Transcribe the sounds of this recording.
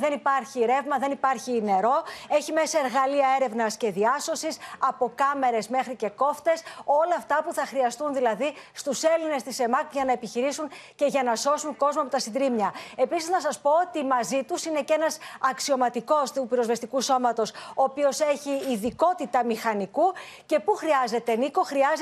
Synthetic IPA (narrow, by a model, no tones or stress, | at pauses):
ðe̞nipɐɾçiɾe̞vmɐðe̞nipɐɾçine̞ɾo̞e̞çime̞sɐe̞ɾɣɐliɐe̞ɾe̞vnɐsce̞ðiɐso̞sisɐpo̞kɐme̞ɾe̞zme̞xɾice̞ko̞ft̪e̞so̞lɐːft̪ɐpuθɐxɾiɐst̪unðilɐðist̪use̞line̞st̪ise̞mɐkʝɐnɐepiçiɾisunce̞ʝɐnɐso̞suŋko̞zmoɐpot̪ɐsind̪ɾimɲɐe̞pisiznɐsɐspo̞ot̪imɐzit̪usine̞ce̞nɐsɐksio̞mɐt̪iko̞st̪upiɾo̞zve̞st̪ikuso̞mɐt̪o̞soːpio̞se̞çiːðiko̞t̪it̪ɐmixɐniku | ce̞puxɾiɐze̞t̪e̞niko̞xɾiɐz